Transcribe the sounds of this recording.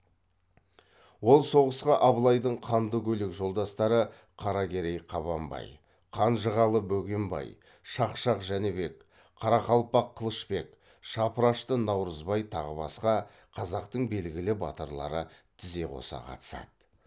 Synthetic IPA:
wo̞lˠso̞ʁəsqɑʔɑβlˠɑjd̪əɴqʰɑnd̪əkʲʰɵlɪkʒo̞lˠd̪ɑst̪ɑɾə | qʰɑɾɑɡʲe̞ɾejqʰɑβɑmbɑ̰j | qʰɑnʒəʁɑlˠəbɵɡʲembɑ̰j | ʃɑqʃɑqʒænebe̞k | qʰɑɾɑχɑlˠpɑqʰːəlˠəʃpe̞k | ʃɑpəɾɑʃt̪ənɑwɾəzbɑjt̪ʰɑʁəbɑ̰sqɑ | qʰɑzɑqt̪əɴbe̞lɡʲɪlɪbɑ̰t̪əɾlˠɑ̰ɾət̪ʰɪze̞qʰo̞̰sɑ̰qʰɑ̰t̪ə̥sɑ̰t̪

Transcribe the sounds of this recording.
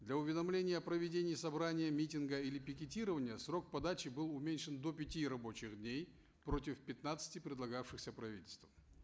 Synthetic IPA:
d̪lʲɐʊvʲɪd̪ɐmlʲenʲɪjəɐpɾəvʲɪdʲenʲɪːsɐbɾanʲɪjəmʲitʲɪnɡəilʲɪpʲɪkʲɪtʲiɾəvənʲɪjəsro̞k̚pɐd̪at͡ɕɪbɨlˠʊmʲenʲʂɨnd̪o̞pʲɪtʲiɾɐbo̞t͡ɕɪxd̪nʲej | pɾo̞tʲɪfpʲɪt̪nat̪sɨ̥tʲɪpɾʲɪd̪lˠɐɡafʂɨxsʲəpɾɐvʲḭtʲɪlʲst̪vəm

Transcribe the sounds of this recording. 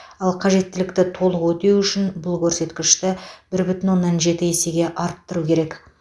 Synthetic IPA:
ɑlˠqʰɑʒe̞t̪ːɪlɪkt̪ɪt̪ʰo̞lˠəqwɵt̪e̞wʏʃɪnbʊlˠkʲʰɵɾse̞t̪kʲɪʃt̪ɪb̥ɪɾbʏt̪ɪnwo̞nːɑnʒe̞t̪ɪese̞ɡʲe̞ʔɑɾət̪ːəɾukʲʰe̞ɾe̞k

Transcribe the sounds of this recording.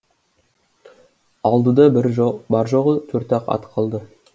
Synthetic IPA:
ɑlˠd̪əd̪ɑbɾbɑɾʒoʁət̪ʰɵɾt̪ɑqɑ̰t̪qʰɑlˠd̪ə

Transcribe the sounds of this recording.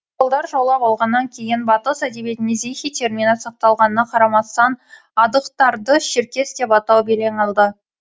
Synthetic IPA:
olˠd̪ɑɾʒɑwlˠɑpɑlˠʁɑnːɑŋkʲʰe̞jɪnbɑt̪əsæd̪e̞bie̞t̪ɪnezejxʲijt̪ʲʰe̞ɾmʲinɑt̪sɑq̚t̪ɑlˠʁɑnənɑqʰɑɾɑmɑst̪ɑn | ɑd̪əqt̪ɑɾd̪əʃɪɾkʲe̞sd̪e̞pɑt̪ɑwbele̞ɴɑlˠd̪ə

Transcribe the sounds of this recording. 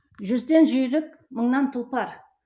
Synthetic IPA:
ʒʏzd̪e̞nʒʏjɾɪk̚ | məɴnɑnt̪ʰʊlˠpɑɾ

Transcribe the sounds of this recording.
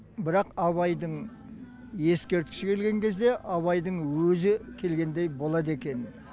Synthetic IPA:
bɪɾɑqɑβɑjd̪əɴ | je̞skʲe̞ɾt̪kʲɪ̥ʃɪkʰʲe̞lɡʲe̞ŋkʲʰe̞zd̪e̞ʔɑβɑjd̪əɴwɵzɪkʲʰe̞lɡʲe̞nd̪e̞jbo̞lˠɑd̪̬e̞kʲe̞n

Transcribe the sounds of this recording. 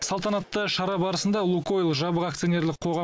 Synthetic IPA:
sɑlˠt̪ɑnɑt̪ːəʃɑɾɑbɑɾəsənd̪ɑlˠukoilˠʒɑbəʁɑk̚t̪sijo̞ne̞ɾlɪqʰo̞ʁɑ

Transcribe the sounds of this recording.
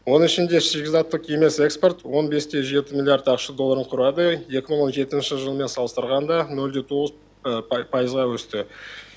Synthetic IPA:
wo̞nəŋɪʃɪnd̪e̞ʃiɡʲɪzɑt̪ːəqʰe̞me̞se̞kspo̞rt̪wo̞nbe̞st̪e̞ʒe̞t̪ɪmʲilʲˠijaɾt̪ɑqʃəd̪o̞lˠːaɾəɴqʰʊɾɑd̪əje̞kʲɪməɴwo̞nʒe̞t̪ɪnʃɪʒəlˠəme̞nsɑlˠəst̪əɾʁɑnd̪ɑnɵld̪e̞t̪ʰo̞ʁəz | pʰɑjəzʁɑwɵst̪ɪ

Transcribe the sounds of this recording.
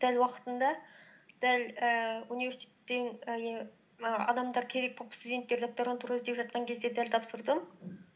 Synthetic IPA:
d̪̥ælwɑqə̥t̪ənd̪ɑ | d̪̥æləunive̞ɾsi̥t̪ʲʰet̪ːen | əɑ̰d̪ɑmd̪ɑɾkʲʰe̞ɾe̞k̚kʰopst̪ud̪ʲe̞nt̪ːe̞ɾd̪op̚t̪oɾont̪ʰuɾɪzd̪e̞pʒɑt̪̚qɑŋkʲʰezd̪e̞d̪ælt̪ʰɑpsəɾd̪əm

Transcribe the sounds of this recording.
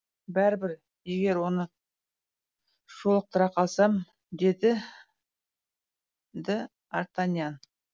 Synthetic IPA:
bæɾɪbɪɾ | je̞ɡʲe̞ɾwo̞nə | ʒ̥olˠəq̚t̪ʰəɾɑqʰɑlˠsɑm | d̪e̞d̪ɪ | d̪ɪ | aɾt̪anjan

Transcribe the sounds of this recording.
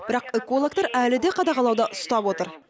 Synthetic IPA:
bɪɾɑqekolˠok̚t̪ɑɾælɪd̪eqʰɑd̪ɑʁɑlˠɑwd̪ɑʔʊst̪ɑpwo̞t̪əɾ

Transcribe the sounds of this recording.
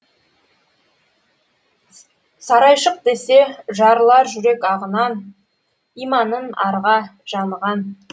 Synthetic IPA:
sɑɾɑjʃəq̚d̪e̞se̞ʒɑɾlˠɑɾʒʏɾe̞kɑʁənɑn | ijmɑnənɑɾʁɑʒ̥ɑnəʁɑn

